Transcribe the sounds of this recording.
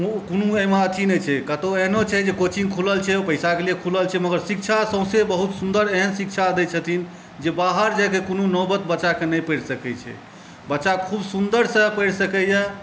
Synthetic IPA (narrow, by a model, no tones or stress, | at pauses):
ukonuemaət̪ʰinət͡ʃʰɛkət̪oeɦnot͡ʃʰɛd͡ʒekot͡ʃʰinkʰuləlt͡ʃʰɛopəjsakeliekʰuləlt͡ʃʰɛməɡəɾsik̚t͡ʃʰasə̃ʊ̃sebəɦut̪sund̪əɾeɦənsik̚t͡ʃʰad̪ɛt͡ʃʰət̪ʰin | d͡ʒebaɦəɾd͡ʒakekonunɔbət̪̚bəːt͡ʃakenəjpəjɽsəkɛt͡ʃʰɛ̰ | bətːt͡ʃakʰubsund̪əɾsəpəjɽsəkɛjɛ